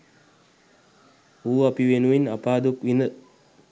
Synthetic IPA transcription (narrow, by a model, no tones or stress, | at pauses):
uːapiʋenuʋinapaːd̪ukʋinə